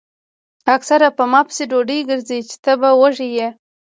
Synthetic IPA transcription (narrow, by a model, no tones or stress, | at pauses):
aksaɾapəmɑpə̥seɖoɖəjɡəɾzijt͡ʃɪ̥t̪əbawəʒije